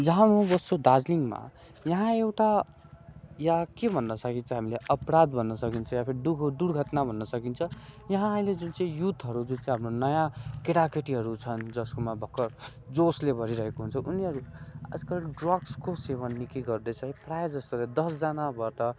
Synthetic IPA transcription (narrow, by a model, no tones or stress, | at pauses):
d͡zʌɦãnobʌst̪od̪ad͡zliŋma̰ | jʌɦãewʈa | jakebʱʌnːʌsʌkint͡sʰʌɦamileʔʌprad̪bʱʌnːʌsʌkint͡sʰʌjapʰeɾiɖuɖuɽɡʱʌt̪nabʱʌnːʌsʌkint͡sʰʌjʌɦãʌĩled͡zunt͡sʌ̃ĩjut̪ɦʌɾud͡zunt͡sʌĩɦamronʌjãkeɾakeʈiɦʌɾut͡sʰʌnd͡zʌskomabʱʌkːʌr | d͡zoslebʱʌɾiɾʌɦekoɦunt͡sʰʌuniɦʌɾuʌ̰d͡zkʌnɖrʌɡskoseβʌnːikiɡʌrd̪ʌjt͡sʰʌĩprajd͡zʌst̪oɾʌd̪ʌsd͡zanabaʈʌ